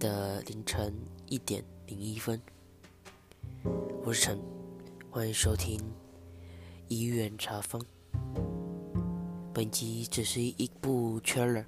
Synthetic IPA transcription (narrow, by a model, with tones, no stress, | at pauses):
d̪ə˧li˧˥ŋʈ͡ʂʰə˧˥ŋi˥˩t̪jɛ̰˨˩˦nli˧˥ŋi˥fə˥n | wu˧˥ʈ͡ʂʰə˧˥ŋxwa˧˥ni˧˥ŋʂo˥ʊt̪ʰi˥ŋ | i˧˥ɥɛ˥˩nʈ͡ʂʰa˧˥fɤ˥ŋ | pə˨˩nt͡ɕi˧˥ʈ͡ʂɻ̩˨˩ʂɻ̩˥˩i˧˥pu˥˩t͡ɕʰɛ˥ə˨˩˦